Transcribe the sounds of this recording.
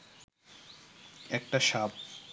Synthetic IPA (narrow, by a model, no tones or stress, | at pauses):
ɛk̚ʈaʃab̚